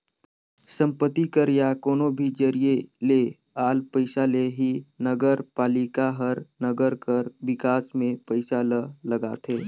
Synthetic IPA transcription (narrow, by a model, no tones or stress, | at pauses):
sə̃mpət̪ikəɾjakoːnobʱid͡ʒəɾiele | aːlpəɪsaleɦinəɡəɾpaːlikaɦəɾnəɡəɾkəɾʋɪkaːsmẽpəɪsalələɡaːt̪ʰeː